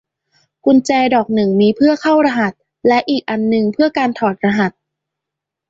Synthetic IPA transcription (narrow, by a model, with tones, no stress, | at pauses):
kʰu˧nt͡ɕɛː˧dɔː˨˩k̚nɯ˨˩ŋmiː˧pʰɯ˥˩ɐkʰa˥˩wɾa˧ɦa˨˩t̪̚ | lɛ˦˥ʔiː˨˩k̚ʔa˧nːɯ˧ŋpʰɯ˥˩ɐkaː˧nt̪ʰɔː˨˩t̪̚ɾa˧ɦa˨˩t̪̚